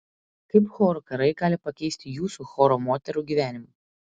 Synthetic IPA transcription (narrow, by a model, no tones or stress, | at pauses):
kɐɪpxɔːɾokɐɾɐɪɡɑːlʲɪpɐkʲɛɪsʲt̪ʲɪjuːsuxɔːɾoːmoːt̪ʲɛɾuːˑɡʲiːʋʲæːnʲɪmu